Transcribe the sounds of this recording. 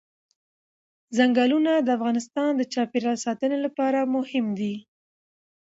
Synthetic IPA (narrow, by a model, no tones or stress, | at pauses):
zaŋɡɑlunad̪əafɣɑnɪst̪ɑnd̪ət͡ʃɑpeɾɑsɑt̪ənelapɑɾamʊhɪmd̪i